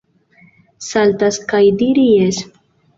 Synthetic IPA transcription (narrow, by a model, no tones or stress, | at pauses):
saltaskajdiɾijes